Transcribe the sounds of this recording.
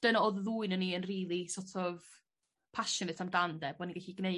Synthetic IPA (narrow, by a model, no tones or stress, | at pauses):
d̥ənɔððuɨnənːiənriːlˠisɔtʰɔv | pʰaʃɔnɨtʰamdandɛbɔniɡɛɬiɡne